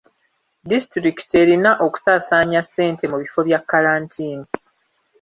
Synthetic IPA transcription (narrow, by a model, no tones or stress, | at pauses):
distɾiki̥te̞ɾinaʔo̞ku̥saːsaːɲasːe̞ːntʰe̞muβifo̞βjakːaɾaːntʰiːni